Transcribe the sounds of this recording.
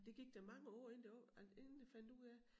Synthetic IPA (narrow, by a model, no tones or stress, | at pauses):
d̥e̝ɡ̥iɡ̥̚d̥æmɑ̈ŋəɒ̰ːe̝nd̥e̝n̩d̥efænd̥uð̰ˠæ